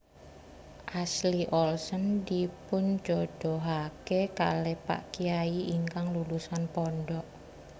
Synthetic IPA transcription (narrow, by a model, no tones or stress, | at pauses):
ʔasliʔɔlsɔndipʊnd͡ʒod̥ɔɦakeka̰lepa̰ʔkiaiiŋkaŋlulusanpɔnɖɔʔ